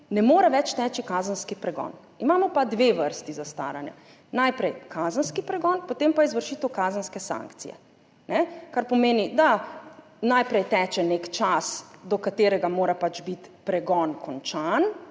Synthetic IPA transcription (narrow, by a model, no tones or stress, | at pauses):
nɛmoːɾaʋɛt͡ʃt̪ɛːt͡ʃikaːzənskipɾɛɡɔ̰ːn | imaːmɔpad̪ʋeʋəɾst̪izast̪a̰ːɾanjɛ̰ | najpɾɛjkʰaːzənskipɾɛɡɔnpot̪eːmpaizʋəɾʃiːt̪əwkaːzənskɛsã̰ŋkt̪sḭjɛ̰ | nɛkaɾpɔmeːnid̪a | najpɾɛjt̪ɛːt͡ʃɛnekt͡ʃasd̪ɔkat̪eːɾɛɡamoːɾapat͡ʃbit̪pɾɛɡɔnkʰɔnt͡ʃan